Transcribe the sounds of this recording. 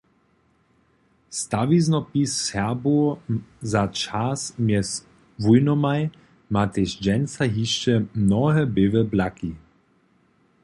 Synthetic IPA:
st̪aviznɔpisːɛbozat͡ʃasmjɛs | vujnɔmaj | mat̪eʃd͡ʒɛnt͡saɦiʃt͡ʃɛmnɔɦɛbevɛblaki

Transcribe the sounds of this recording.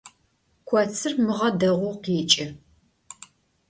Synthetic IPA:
kʷʰɐt͡sʰɨrmɨʁɐdɐʁʷʊqiːt͡ʃʼɪ

